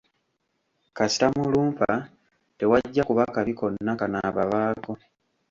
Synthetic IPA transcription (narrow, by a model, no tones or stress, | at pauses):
kasi̥tamuluːmpa | te̞waɟːakuβakaβiko̞nːakanaːβaβaːko̞